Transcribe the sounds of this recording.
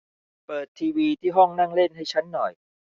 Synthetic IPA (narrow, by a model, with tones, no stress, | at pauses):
pɤː˨˩t̪ʰːiː˧wiː˧t̪ʰiː˥˩ɦɔ˥˩ŋna˥˩ŋle˥˩nɦa˥˩jt͡ɕʰa˦˥nːɔ˨˩j